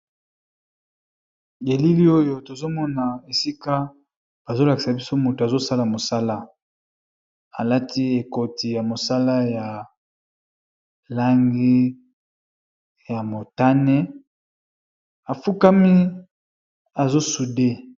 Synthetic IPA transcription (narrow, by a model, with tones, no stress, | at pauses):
je˨li˦li˦o˦jo˦to˨zo˦mɔ˦na˨e˨si˦ka˦ | ba˨zo˦la˨ki̥˨sa˨bi˦so˦mo˨to˨a˨zo˦sa˦la˨mo˨sa˦la˦ | a˨la˦tʰi˦e˨ko˨ti˨ja˨mo˨sa˦la˦ja˨ | la˦ŋɡi˦ | ja˨mo˨ta˦ne˦ | a˨fu˦ka˦mi˦ | a˨zo˦su˨de˦